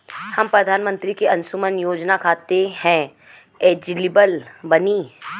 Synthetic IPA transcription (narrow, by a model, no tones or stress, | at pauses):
hɐmpɾɐd̪ʱaːnmə̃nt̪ɾikeɐ̃nsumənjoːd͡ʒnakʰaːt̪ehɛ̃ | eːd͡ʒlɪbəlbɐniː